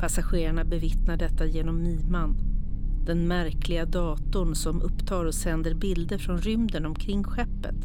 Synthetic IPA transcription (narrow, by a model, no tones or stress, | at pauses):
pʰasaɧeːɾaɳabɛvɪt̪naɖɛt̪ːajeːnɔmːiːmand̪̥ɛnmæɾklɪɡad̪ɑːt̪ʊɳsɔmɵpːt̪ʰɑːɾɔsɛnd̪əɾbɪld̪əfɾɔnɾʏmd̪ənɔmkʰɾɪŋːɧɛpːə̰t̪